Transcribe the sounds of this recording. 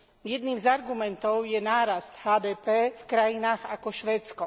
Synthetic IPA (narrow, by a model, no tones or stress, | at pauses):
jɛd̪niːmzaɾɡumɛnt̪ɔʊjɛnaːɾast̪haːd̪ɛːpɛːfkɾajinaːɣa̰kɔʃʋɛːt͡skɔ